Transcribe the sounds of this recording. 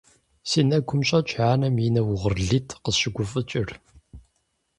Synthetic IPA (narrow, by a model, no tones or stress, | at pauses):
siːnɐɡʷʰʊmɕʼɐt͡ʃʼħaːnɐmjinɐwʊʁərɮitʰqəɕɪɡʷʊfʼɨt͡ʃʼɪr